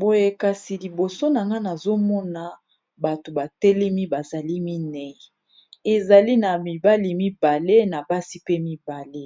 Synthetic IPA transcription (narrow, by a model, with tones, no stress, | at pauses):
bo˨je˨ka˨si˨li˨bo˨so˦na˨ŋɡa˦na˨zo˦mɔ˦na˨ | ba˨to˨ba˨tɛ˦lɛ˦mi˦ba˨za˨li˦mi˦nɛ˨ | e˨za˨li˦na˨mi˨ba˦li˨mi˦ba˨le˦na˨ba˦si˦pe˦mi˦ba˨le˦